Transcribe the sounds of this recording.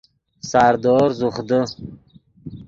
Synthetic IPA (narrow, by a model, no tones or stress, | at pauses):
saɾd̪oːɾzuχd̪ə